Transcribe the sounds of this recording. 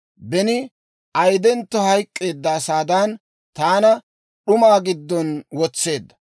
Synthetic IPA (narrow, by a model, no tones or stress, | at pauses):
bɛnɪ | ʔɐjd̪ɛnt̪ːɔhɐjkʼːe̞ːd̪ːɐːsaːd̪aːn | t̪aːnɐ | ɗʊmaːɡɪd̪ːɔnwɔt͡sːe̞ːd̪ːɐ̥